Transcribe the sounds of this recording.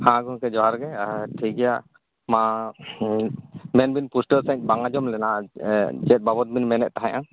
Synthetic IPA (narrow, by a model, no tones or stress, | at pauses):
hãɡɔkɛd͡ʒɔɦaɾɡɛʈʰiɡɛjaʔ | ma | mɛnbinpusʈəsɛ̃ɲ̚ˀbaŋad͡ʒɔmlɛna | d͡ʒɛt̪̚babɔt̪̚binmɛnɛʔ̚t̪aɦãjʔã